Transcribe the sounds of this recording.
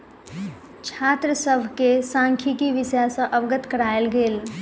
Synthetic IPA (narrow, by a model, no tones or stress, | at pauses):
t͡ʃʰat̪ɾəsəbʱkesãŋkʰikiʋisjasə̃ʔəbɡət̪kəɾaelɡeːl